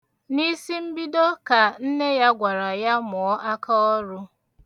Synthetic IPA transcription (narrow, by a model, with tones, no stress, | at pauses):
ni˦si˦m̩˦bi˦do˦ka˨n̩˦ne˦ja˦ɡʷa˨ɾa˨ja˦mʊ˨ɔ˦ʔa˦ka˦ɔ˦ɾʊ˦